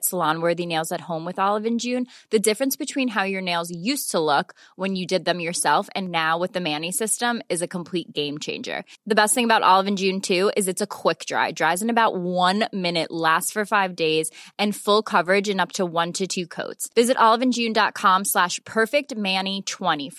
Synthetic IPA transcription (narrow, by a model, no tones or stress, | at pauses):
tslɑ̃nwɜ˞ðineɪlˠzɨt̚hõʊ̃mwɨðɑlˠəvɨ̃nd͡ʒʉ̃nðɨdɪfɹɨ̃nsb̥ɨtʰw̥ĩnɦaʊjə˞neɪlˠzjʉstʰəlʊkwə̃njɨdɨd̪̚ðɨ̃mjə˞sɛlˠfɨ̰̃nːaʊwɨðɨmænisɪstə̃mɨzɨkʰə̃m̩pʰl̥it̚ɡ̥ẽɪ̃mt͡ʃʰḛ̃ɪ̃nd͡ʒə̰˞ðɨbɛst̪̚θɪ̃ŋəbaʊɾʔɑ̰lˠəvɨ̃nd͡ʒʉ̃ntʰʉɪzɨtsɨkʰw̥ɪk̚d̥ɹa̰ɪdɹaɪzɨ̃nɨbaʊʔ̚wʌ̃nmɪ̃nɨʔlæstfə˞faɪvdeɪzɨ̃nfʊlˠkʰʌvə˞ɨd͡ʒɨ̃nʌp̚tʰəwʌ̃ntʰɨtʰʉkʰo̰ʊtsvɪzɨɾʔɑlˠəvɨ̃nd͡ʒʉ̃ndɑt̚kʰɑ̃mslæʃpʰɜ˞fɪk̚t̚mæ̃nitʰw̥ɛ̃ɾ̃if